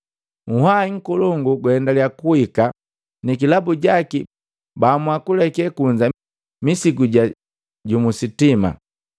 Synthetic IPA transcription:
ŋ̩haiŋ̩kuluŋɡuɡwhɛndalijakuhika | nikilabuɟaki | bamwakulɛkɛkuɲd͡ʒa | misiɡuɟa | ɟumusitima̰

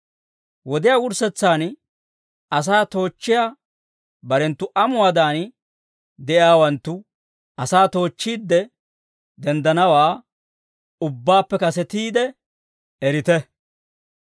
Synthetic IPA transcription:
wɔd̪ɪjaːwʊɾsɛt͡sːaːn | ɐs̬aːt̪o̞ːt͡ʃːɪja | bɐɾɛnt̪ːʊʔɐmʊwaːd̪aːn | d̪ɛʔjaːwɐnt̪ːʊ | ɐsaːt̪o̞ːt͡ʃːiːd̪ːɛ | d̪ɛnd̪ɐnɐwaː | ʊbːaːpːɛkɐsɛt̪iːd̪ɛ | ɛɾɪt̪ɛ

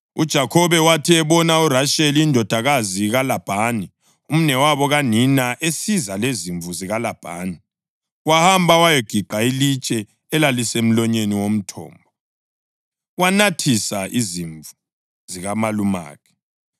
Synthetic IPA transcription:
ud̥ʒ̥ʱakʰɔβɛwatʰiɛβɔnauraʃeliːndʱɔd̥ʱaɣaziɣalab̥ʱaːni | um̩nɛwaβɔɣaninaʔesizaleziɱvuziɣalab̥ʱa̰ːni | wahambʱawajɔɡ̥ʱiǃʱailit͡ʃʼɛː | lalisem̩lɔɲeniwom̩tʰɔ̰ːmbʱɔ | wanatʰisaʔiziɱvu | ziɣamaluma̰ːkʰɛ̥

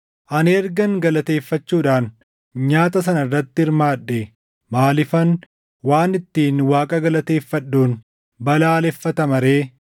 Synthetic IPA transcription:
ʔɐnɛɾɡɐŋɡɐlɐt̪e̞ːfːɐt͡ʃːuːᶑaːn | ɲaːt̪ɐs̬ɐnɐɪrːɐt̪ːɪɪɾmaːᶑːe | maːlɪfɐn | waːnɪt̪ːiːnwaːkʼɐɡɐlɐt̪e̞ːfːɐɗːuːn | bɐlaːlɛfːɐt̪ɐmɐɾe̞ː

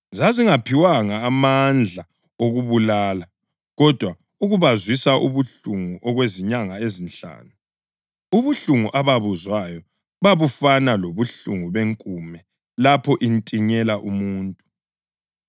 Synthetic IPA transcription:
zaziŋapʰiwaŋaːmand͡ɮʱa | oɣuβulaːla | ɣɔd̥ʱwa | uɣuβazwisaʔuβuɬuŋuʔɔɣweziɲaŋaezinɬa̰ːnu | uβuɬuŋuʔaβaβuzwajɔ | βaβufanaloβuɬuŋuβeŋkʼumɛ | lapʰɔʔintʼiɲɛlaʔumuːntʼu

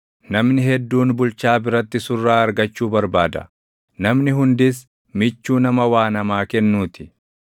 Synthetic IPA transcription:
nɐmnɪɦɛd̪ːuːnbʊlt͡ʃaːbɪɾɐt̪ːɪsʊrːaːɐɾɡɐt͡ʃːuːbɐɾbaːd̪ɐ̰ | nɐmnɪɦʊnd̪ɪs̬ | mɪt͡ʃːuːnɐmɐwaːnɐmaːkɛnːuːt̪ɪ̥

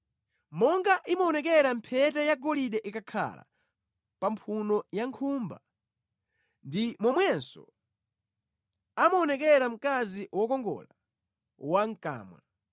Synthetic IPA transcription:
mɔŋɡaʔimɔːnɛk̬ɛɾampʰɛtɛjaɡɔliɗɛʔikakʰa̰la̰ | pampʰunɔjaŋkʰumba̰ | ndimwɔmwɛnsɔ̰ | amɔːnɛk̬ɛɾam̩kaziwɔkɔŋɡɔ̰la | waŋka̰ːmwa̰

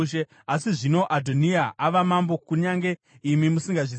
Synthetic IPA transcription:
ʃe | asiʐino̞ʔadʱoniaʔaʋamambo̞kuɲaŋɡe̞ | imimusiŋɡaʐi

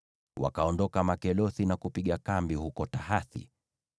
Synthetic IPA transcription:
wa̰kaɔndɔkamakɛlɔθinakupiɠakambihukɔtaɦaθḭ

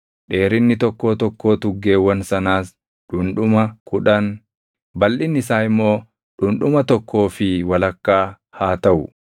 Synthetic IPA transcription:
ᶑe̞ːɾɪnːɪt̪ɔkːo̞ːt̪ɔkːo̞ːt̪ʊɡːe̞ːwːɐnsɐnaːs | ᶑʊnᶑʊmɐkʊᶑɐn | bɐlːɪnːɪsaːɪmːo̞ː | ᶑʊnᶑʊmɐt̪ɔkʰːo̞ːfɪwɐlɐkːaː | haːt̪ɐʔʊ

